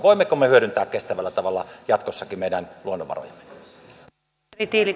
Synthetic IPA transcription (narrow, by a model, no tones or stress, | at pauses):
ʋoˑimːekomːehyøɾynt̪æːkkest̪æʋælːæt̪ɑʋɑlːɑjɑt̪kosːɑkimeˑiɾænluonːo̰ʋɑ̰ro̰jɑmːe̥ | rit̪iːli